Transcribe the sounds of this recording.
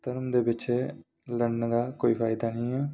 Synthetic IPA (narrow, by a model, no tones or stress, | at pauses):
t̪əɾmd̪eːbɪt͡ʃeː | ləɽnd̪aːkoːiːpʰaːɪd̪aːnĩːɛː